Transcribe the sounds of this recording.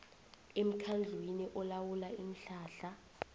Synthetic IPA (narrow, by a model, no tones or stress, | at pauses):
em̩kʰand͡ɮʱwiniʔɔlawulain̩ɬaːɬa